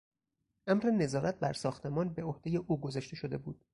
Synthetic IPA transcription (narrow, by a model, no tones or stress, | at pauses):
ʔæmɾe̞ne̞zɒːɾæt̪̚bæɾsɒːxt̪ʰe̞mɒːnbeohd̥̪e̞je̞ʔuːɡo̞zɒʃt̪e̞ʃo̞d̪e̞̰buːd̪̥